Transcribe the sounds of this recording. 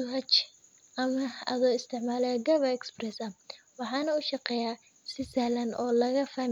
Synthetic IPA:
ɦɐt͡ʃ | ʔɐmɐɐðɔːɪst̪ʰɪʕmaːlɛɡɐβɐɛksprɛsɐ | wɑħɑːnɐʊʃɑqɛːjaː | sɪsalɐnɔ̰ːlɐɣɐfaːm

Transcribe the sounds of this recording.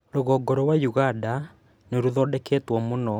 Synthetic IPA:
ɾoɣɔɡɔɾɔwajuɣanda | neɾuðɔdɛketwɔmonɔ

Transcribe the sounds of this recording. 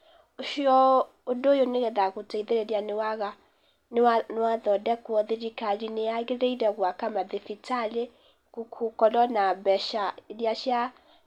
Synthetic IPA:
oʃiɔ | odoːjoneɣɛðaɣotɛiðeɾeɾianewaɣa | nanewaðɔdɛkwɔðiɾikaɾineaɣeɾeiɾɛɣwakamaðefitale | kukʰukɔlɔnabɛʃaeɾjaʃja

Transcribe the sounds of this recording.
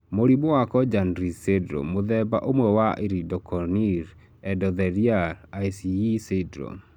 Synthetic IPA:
moɾibowakɔd͡ʒanɾisedɾo̰moðɛba̰ʔomwɛwaʔeɾidɔkʰɔniɾ | ɛdɔðɛɾialajsiisedɾo̰

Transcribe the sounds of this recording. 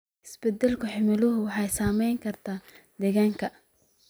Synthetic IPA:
ʔɪsbɛd̪ɛlkʰʊħɪmɪlʊɦʊwɑħɑjsaːmɛjŋkʰɐrt̪ʰaː | d̪ɛɣaːŋkʰɐ

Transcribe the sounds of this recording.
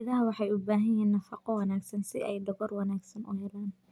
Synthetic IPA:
ɪðɐɦɐwɑħɑjʊbaːɦɐjiːnːɐfɑqɔwɑnaːɡsɐnsɪ̰ʔɛjɖ̪ɔɣɔrwɑnaːɡsɐnʔʊ̰ɦɛlaːn

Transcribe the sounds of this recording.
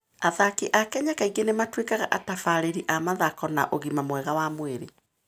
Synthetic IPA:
aðakiʔakɛɲakaiɡenematwekaɣaʔatafaɾeɾiʔamaðakɔna̰ʔoɣimamwɛɣawamweɾe

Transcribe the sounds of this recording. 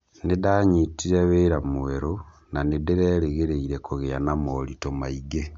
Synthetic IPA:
nidaɲitiɾeβeɾamuweɾo | nanideɾeɾeɣeɾeiɾekuɣeanamolitomaiɡe

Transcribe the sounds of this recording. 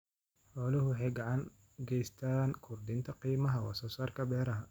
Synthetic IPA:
ħɔːlɪɦʊwħɑjɡɑʕɑŋ | ɡɛjst̪ʰaːnkʰʊrd̪ɪnt̪ʰɐqiːmɐɦɐwɑ̰sɔːsaːrkʰɐbɛːɾɐɦɐ

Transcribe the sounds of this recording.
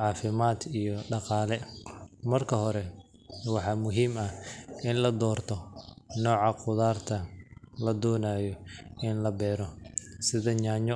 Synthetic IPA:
ʕɑːfɪmaːd̪ijɔɖɑqɑːlɛmɐrkʰɐɦɔɾɛ | wɑħɑːmʊɦiːmɐɪnlɐd̪ɔːrt̪ʰɔnɔːʕɑqʊðaːrt̪ʰɐlɐd̪ɔːnaːjɔɪnlɐbɛːɾɔsɪðɐɲaːɲɔ

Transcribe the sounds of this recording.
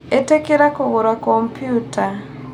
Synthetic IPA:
etekeɾakoɣoɾwakɔmpijuta

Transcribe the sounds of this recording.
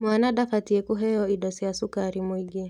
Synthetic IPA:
mwanaɗafatiɛkuɦɛjɔiɗɔsɛasukaɾimwiɡɛ

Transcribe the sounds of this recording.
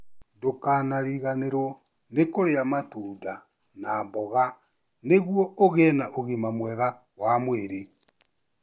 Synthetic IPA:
dokaːnaɾiɣaneɾwɔ | nekoɾeamatuːda | naːmbɔɣa | neɣwɔoɣeːnaʔoɣimamwɛɣa | wamweɾe

